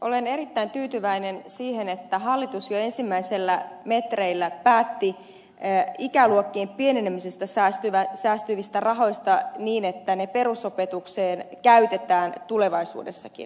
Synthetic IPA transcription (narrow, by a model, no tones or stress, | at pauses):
ʔolene̞ɾit̪ːæint̪yːt̪yʋæinensiːhenet̪ːæɦɑlːit̪usjoe̞nsimːæiselːæme̞t̪reilːæpæːt̪ːi | ikæluokːiːmpienenemisest̪æsæst̪yʋæsæːst̪yʋist̪ærɑɦo̞jst̪ɑniːnet̪ːænepe̞ɾuso̞pet̪ukseːnkæyt̪et̪æːnt̪ule̞ʋɑisṵːde̞sːɑkḭn